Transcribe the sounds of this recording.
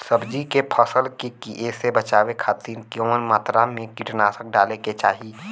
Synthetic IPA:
səbd͡ʒikepʰəsəlkekiʔeːsebət͡ʃaːwekʰaːt̪iːɾkonmaːt̪ɾamẽkiʈnaːsək̚ɖaːleket͡ʃaːɦiː

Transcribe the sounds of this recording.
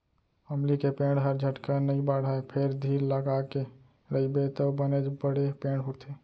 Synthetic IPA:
əmlikepẽɽɖɦəɾd͡ʒʱəʈkanəibəɽɦəepʰeɾd̪ʱiɾləɡake | ɾəibet̪əbəned͡ʒbəɽepẽɳɖɦuɾt̪ʰe

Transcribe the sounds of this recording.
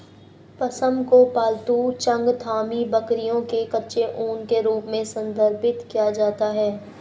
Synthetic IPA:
pɐsə̃mkopaːlt̪ut͡ʃɐ̃ŋɡt̪ʰaːmibɐkɾijõkekɐtːʃeʔuːnkeɾuːpmẽsɐ̃nd̪ʱəɾpɪt̪kijad͡ʒaːt̪aɦɛː

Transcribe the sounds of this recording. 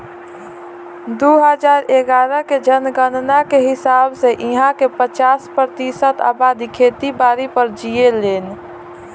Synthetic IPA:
d̪oɦəd͡ʒaːɾeɡaːɾəked͡ʒənɡənɖnakeɦɪsaːbseʔiɦãkepət͡ʃaːspɾət̪isət̪a̰ːbad̪ikʰet̪ibaːɾipəɾd͡ʒieleːn

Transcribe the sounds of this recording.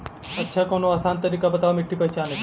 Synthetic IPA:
ətːʃʰakonoaːsaːnt̪əɾiːkabət̪aʋamɪʈʰːipəjt͡ʃaːnɐ

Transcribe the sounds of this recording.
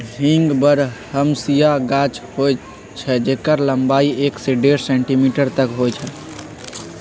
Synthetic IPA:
ɦĩŋɡbəɾhəmsijaɡat͡ʃhoj | t͡ʃʰɛd͡ʒekəɾləmbaːieːkseɖeɾsɛ̃ɳʈimiʈəɾt̪əkɦot͡ʃʰɛ

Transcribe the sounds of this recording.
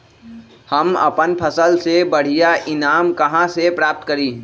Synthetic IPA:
həmə̰pənpʰəsəlsebəɽ̤ijaʔɪnaːmkəɦãsepɾap̚t̪kəɾiː

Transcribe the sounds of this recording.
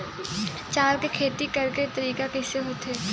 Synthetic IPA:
t͡ʃaːɾkekʰeːt̪ikɐɾket̪ɐɾiːkakɪseɦʊt̪ɛː

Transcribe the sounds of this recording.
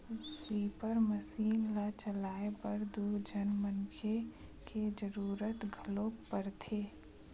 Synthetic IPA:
siːpəɾməsiːnlat͡ʃəlaːepɐɾd̪ud͡ʒʱənmənkʰe | ked͡ʒəɾuːɾət̪ɡʱəlõpːəɾt̪ʰeː

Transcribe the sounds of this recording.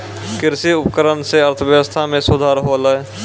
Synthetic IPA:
kɪɾsiʊpəkəɾənseəɾt̪ʰəʋjəwəst̪ʰamẽsʊd̪ʱaːɾɦolə

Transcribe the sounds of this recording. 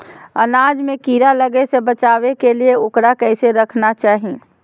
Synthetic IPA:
ənaːd͡ʒmẽkiɾaləɡesəbət͡ʃaːʋekelieoːkɾakəɪseɾəkʰnat͡ʃaːɦi

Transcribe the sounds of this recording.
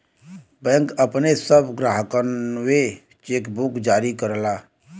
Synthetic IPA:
bɛ̃ŋkəpnesəbɡɾaːɦəkənwe | t͡ʃeːkbukd͡ʒaːɾikəɾlaː

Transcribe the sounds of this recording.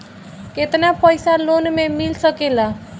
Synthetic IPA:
ket̪napəjsalonmemilsəkela

